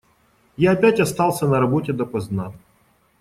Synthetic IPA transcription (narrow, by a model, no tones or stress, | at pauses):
jaɐpʲætʲɐst̪ɑlˠsʲənɐɾɐbotʲɪd̪əpɐzna